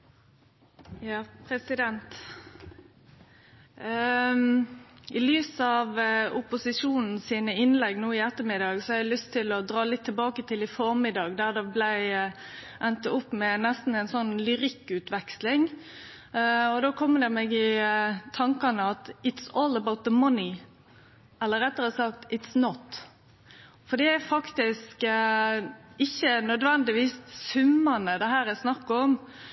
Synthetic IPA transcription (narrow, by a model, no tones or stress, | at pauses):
jɑːpʰɾɛsɪd̪ɛnt̪ | ɪlyːsɑʋʊpʊsɪʂuːnn̩siːnəɪnlɛɡnuːɪɛt̪ːəmɪd̪ɑːɡsɔhɑɛɪlʏst̪ʰːɪlɔd̪ʁɑːlɪt̪ʰːəlbɑːkət̪ʰɪlɪfɔɾmɪd̪ɑɡd̪æʁd̪ɛblæɪ | ʔɛnt̪əʊpːmɛnɛst̪n̩æɪnsɔnːlʏʁɪkːʉːt̪ʋɛkslɪŋ | ɔd̪oːkʰɔmːəd̪ɛmeːɡɪt̪ʰɑŋkɑnəɑt̪ɪt̪sɔːlˠəbaʊt̪̚ðəmɑnɪ | ɛlːəɾɛt̪ːəɾəsɑk̚t̪ɪt̪snɔt̪ | fɔd̪ɛːæfɑkt̪ɪsk | ɪçːənœd̪ʋɛnd̪ɪʋiːssʉmːɑnəd̪ɛhæːɾæsnɑkːəɔm